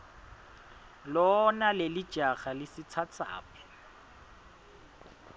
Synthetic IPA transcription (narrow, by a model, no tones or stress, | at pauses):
lɔnalelɪ̥ʒ̥ʱaχalɪsɪt͡sʰat͡sʰa̰ːpɛ̥